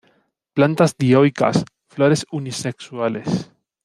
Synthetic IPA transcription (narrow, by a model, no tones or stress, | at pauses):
plant̪azðiojka̰s | floɾesunisekswales